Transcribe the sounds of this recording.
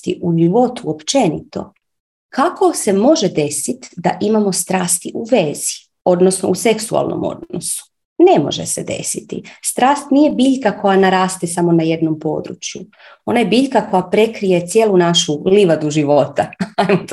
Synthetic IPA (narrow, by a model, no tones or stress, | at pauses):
t̪ḭʔuʒiʋo̞t̪uopt͡ʃe̞nḭt̪o̞̰ | kʰako̞se̞mo̞ʒe̞d̪e̞sit̪d̪aʔimamo̞st̪ɾaːst̪iʔuʋezi | o̞d̪nosno̞̰use̞ksua̰lˠno̰mo̰d̪no̰su̥ | ne̞mo̞̰ʒḛsed̪e̞̰sit̪ḭst̪ɾaːst̪nije̞biːʎkako̞janaɾaːst̪esamo̞naje̞d̪no̞mpo̞̰ːd̪ɾṵt͡ʃju | o̞naje̞biʎkako̞japɾe̞kɾije̞t̪sjeːlunaʃuliʋad̪uʒiʋo̞t̪aajmo